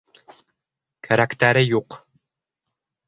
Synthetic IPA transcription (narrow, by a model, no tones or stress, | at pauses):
kʰaɾakt̪æɾɘjuq